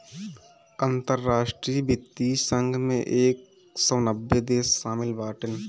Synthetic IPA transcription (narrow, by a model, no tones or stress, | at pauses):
ant̪əɾːaːʃʈɾiːbɪt̪ːisə̃ŋɡʱmḛ̃ʔeːk̚ | sɔːnəbːed̪eːsːaːmɪlbaːʈən